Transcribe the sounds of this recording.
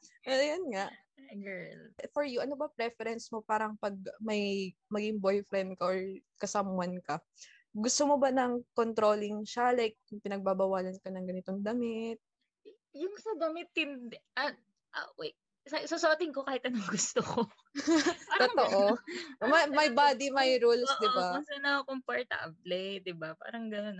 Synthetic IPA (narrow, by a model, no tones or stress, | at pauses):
ʔɐjonŋaʔ | ɡɛlfɔɹjʊʔɐnobɐpɾɛfɛɾɛnsmo̞paːɾɐŋpɐɡ̚mɐjmɐɡɪŋbo̞jfɾɛnd̪̚kɐʔoɹkɐsamʊɐnkɐ | ɡʊst̪omo̞bɐnɐŋkont̪ɾo̞ːlɪŋʃalɐjk̚ʊŋpɪnɐɡ̚babɐwaːlɐnkɐnɐŋɡɐnɪt̪o̞ŋd̪ɐmɪt̪̚ | jʊŋsɐd̪ɐmɪt̪̚ːɪnd̪ʔɐ | ʔa̰wɛ | sɐsosot̪ɪŋkokaːhɪt̪ɐnoŋɡʊst̪oko | t̪ooʔomɐmɐjbaːd̪imɐjɾulsd̪ɪbasɐnɐokʊŋpɐɹt̪ɐ̰ʔɐ̰p̚lejt̪̚d̪ɪbapa̰ːɾɐŋɡɐnon